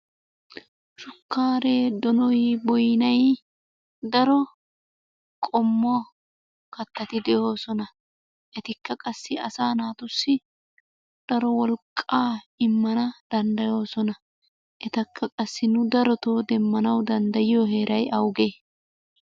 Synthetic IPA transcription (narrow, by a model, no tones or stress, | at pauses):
ʃʊkːaːɾeːd̪ɔnɔjbɔjnɐj | d̪ɐɾɔ | kʼɔmːɔ | kɐt̪ːɐt̪ɪd̪ɛjo̞ːsɔnɐ | ʔɛt̪ɪkːɐkʼɐsːɪɐsaːnaːt̪ʊsːɪ | d̪̥ɐɾɔwɔlkʼːaːɪmːɐnɐd̪̥ɐnd̪ɐjo̞ːsɔnɐ | ʔɛt̪ɐkʰːɐkʼɐsːɪnʊd̪ɐɾɔt̪oːd̪ɛmːɐnɐwd̪ɐnd̪ɐjɪjoɦe̞ːɾʔɐjʔɐwɡeː